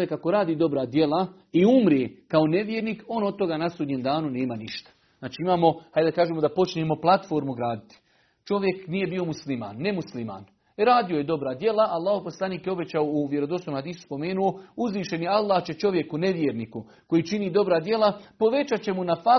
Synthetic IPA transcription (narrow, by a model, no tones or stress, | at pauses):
jekako̞ɾaːd̪iːd̪o̞bɾad̪je̞la | iumɾeːkao̞ne̞ʋjeːɾniːko̞ːnod̪̚t̪o̞ɡaːnasuːd̪ɲemd̪aːnune̞ːmaniʃt̪ḁ | znaːt͡ʃiimaːmo̞hajd̪akaːʒeːmo̞d̪apo̞t͡ʃneːmo̞plˠat̪fo̞ːɾmuɡɾaːd̪it̪i̥ | t͡ʃo̞ʋjeknije̞bio̞muslima̰ːnːe̞muslima̰ːn | ɾaːd̪io̞je̞d̪o̞bɾad̪je̞laʔalˠːaːhoposlˠaniːkjeo̞be̞t͡ɕaouʋje̞ɾod̪osomhad̪iːsu̥spo̞me̞ːnuo̞uzʋiːʃe̞njealˠːaːht͡ɕe̞t͡ʃo̞ʋje̞kune̞ʋjeɾniːku | ko̞jiːt͡ʃiniːd̪o̞bɾad̪je̞lapo̞ʋe̞t͡ɕat͡ɕe̞munafa